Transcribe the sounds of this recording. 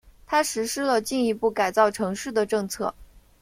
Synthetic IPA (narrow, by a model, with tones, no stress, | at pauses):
t̪ʰa˥ʂɻ̩˧˥ʂɻ̩˥lə˨t͡ɕi˥˩ŋi˧˥pu˥˩ka˨˩ɪt͡sɑ˥˩ʊʈ͡ʂʰɤ˧˥ŋʂɻ̩˥˩d̪ə˩ʈ͡ʂɤ˥˧ŋt͡sʰɤ̰˥˩